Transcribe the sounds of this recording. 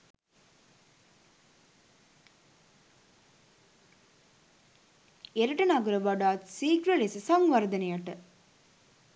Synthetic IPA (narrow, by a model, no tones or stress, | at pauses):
eɾɐʈɐnɐɡɐɾɐʋɐɖaːt̪siːkɾɐɭesɐsɐŋʋɐɾd̪ɐnɐjɐʈːɐ